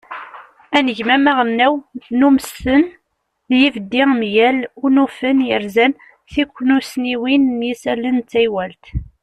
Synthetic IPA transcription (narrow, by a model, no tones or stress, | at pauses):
ænəʝmæmæʁənːæwnumsːən | jivəd̪ːɪʁmjælunufənjəɾzæn | θikʷːnusniwinːjisælənt͡sːæjwælt̪